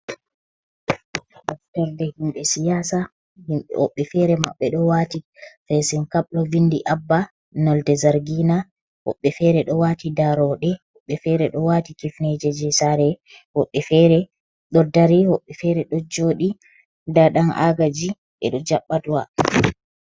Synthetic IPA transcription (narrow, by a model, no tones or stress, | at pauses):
ɗɔftaɾdɛhimɓɛsijaːsa | himhɔ̰ɓːɛfɛɾɛma̰ɓːɛɗɔwatifɛsɛnkaɓlɔvindiʔabːa | nɔldɛzaɾɡina | hɔ̰ɓːɛfɛɾɛɗɔwatidaɾɔɗɛhɔɓːɛfɛɾɛɗɔwatikifnɛd͡ʒɛd͡ʒɛsaɾɛ | hɔɓːɛfɛɾɛ | ɗɔdaɾihɔɓːɛfɛɾɛɗɔd͡ʒoːɗi | daɗanʔa̰ɡad͡ʒi | ɓɛ̰ɗɔd͡ʒaɓːaduwa